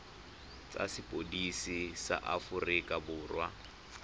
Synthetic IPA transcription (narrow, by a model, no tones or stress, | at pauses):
t͡sʼa̰sɪpʼodisisa̰ʔafʊrikʼabʊːrwa